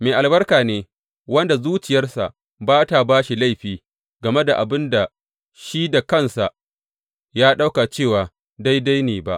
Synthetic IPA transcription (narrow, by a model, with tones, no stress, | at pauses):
meː˨ʔa˨lbɐ˦rkaː˨neː˨ | wɐ˦nda˨zuː˦t͡ʃɪ˨jɐ˦rsa̰˨ | baː˦ta˨baː˦ʃi˨la˦˨jɸiː˨ | ɡɐ˨me˦da˨ʔa˨bɪ˦nda˨ | ʃi˦da˨kɐ˦˨nsa˨ʔ | jaː˦ɗa˦wka˨t͡ʃeː˦˨waː˨ | da˦jda˦jneː˨ba̰˦ʔ